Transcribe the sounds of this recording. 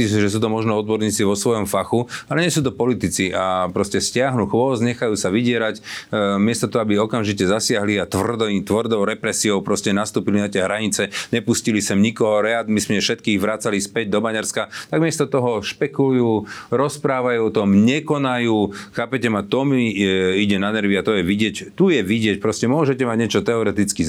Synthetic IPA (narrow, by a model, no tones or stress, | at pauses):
isʒɛs̬uːt̪ɔmɔʒnɔɔd̪̚bɔɾɲiːt͡siʋɔsʋɔjɔmfaxualɛɲɛsuːt̪̬ɔpɔlit̪it͡siʔapɾɔscɛscɪaɦnuxʋɔzɲɛxajuːsaʋiɟɪɛɾacmɪɛst̪ɔt̪ɔɦɔabiɔkamʒicɛzasɪaɦliat̪ʋr̩d̪ɔt̪ʋrd̪ɔʊɾɛpɾɛsiɔʊpɾɔscɛnast̪uːpilinat̪ɛɦɾaɲit͡sɛɲɛpuscilisɛmɲikɔɦɔɾɛad̪mismɛfʃɛt̪̚kiːɣʋɾaːt͡salispɛɟ̚d̪ɔbaɲaɾskat̪aɡmɪɛst̪ɔt̪ɔɦɔʃpɛkulujuːɾɔspɾaːʋajuɔt̪ɔmɲɛkɔnajuːxaːpɛcɛmat̪ɔmiiɟɛnanɛɾʋiat̪ɔjɛʋiɟɪɛct̪ujɛʋiɟɪɛc̚pɾɔscɛmʊɔʒɛcɛmaɟɲɛt͡ʃɔt̪ɛɔɾɛt̪it͡ski